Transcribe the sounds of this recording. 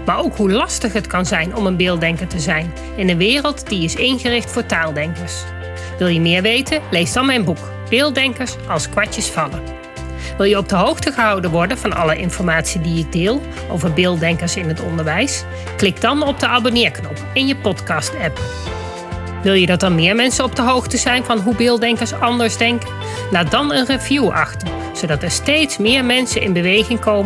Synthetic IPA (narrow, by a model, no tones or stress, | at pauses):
maːɹowkɦulɑstəχɦətkɑnzɛjnɔmənbɪːlˠdɛŋkəɹtəzɛjn | ɪnənʋɪːrəlˠtdiɪsɪnχərɪχtfʊːɹtaːlˠdɛŋkəɹs | ʋɪlˠjəmɪːɹʋejtənlejzdɑnmɛjnbuk | b̥ɪːlˠdɛŋkəɹsɑlˠskʋɑt͡ʃəsfɑlə | ʋɪlˠjəɔb̚dəɦowχtəχəɦɑwdənʋɔɹdənvɑnɑ̰ləʔɪ̰nfɔɹmaːtsidijədɪːlˠ | ʔo̰wvəɹbɪːlˠdɛŋkəɹsɪnɦətɔ̰ndəɹʋɛjs | klɪk̚dɑnɔb̚dəʔaːbonɪːɹknɔpɪnjəpɔtkɑstɛp | ʋɪlˠjədɑt̚dɑnmɪːɹmɛnsənɔbdəɦowxtəzɛjnvɑnɦubɪːlˠdɛŋkəɹsɑndəɹzdɛŋkə | laːt̚dɑnənrəvjuʔɑ̰χtən | z̥owdɑtɛɹstejtsmɪːɹmɛnsənʔɪ̰nbəʋejχɪŋkowmə